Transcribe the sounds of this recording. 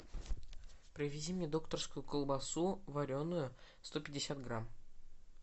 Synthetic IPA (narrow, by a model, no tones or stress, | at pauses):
pɾʲɪvʲɪzʲimnʲed̪o̞kt̪ərskʊjʊkəlˠbɐsuvɐɾʲo̞nːʊjʊ | st̪o̞pʲɪdʲɪsʲat̪ɡɾam